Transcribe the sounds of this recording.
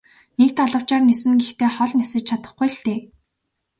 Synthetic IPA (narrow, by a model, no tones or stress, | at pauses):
nek̚t̪aɮə̆w̥t͡ɕaːrnesɘ̆nɡext̪ʰeːχɔɮnʲasɘ̆t͡ɕt͡ɕʰat̪ə̆χɡujɮt̪eː